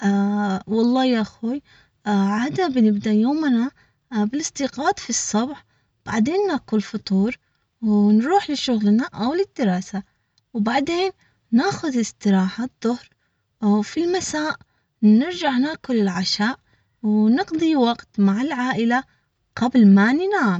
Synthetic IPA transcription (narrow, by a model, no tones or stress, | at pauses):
ʔwɑlˤːɑːjaʔxuːj | ʕaːd̪nabɪnɪbd̪aʔjoːmna | bɪlɪst̪iqɑːd̪fisˤːɑbħ | b̥aʕd̪eːnːaːkʊlfʊt̪ˤuːɾ | wnɾuːħlɪʃʊɣlnaʔawlɪd̪ːɪɾˤɑːsa | wbaʕd̪eːnː | aːxʊðɪst̪ɪɾˤɑːħaðˤːʊhɾ | filmasaːʔ | nɪɾd͡ʒaʕnaːkʊlɪlʕaʃaːʔ | wnɪqd̪ˤiwɑɡt̪maʕalʕaːʔɪla | qablmanɪnaʕm